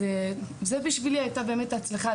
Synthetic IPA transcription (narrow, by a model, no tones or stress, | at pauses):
ezebiʃviliajtabe̞ːmetat͡slaχa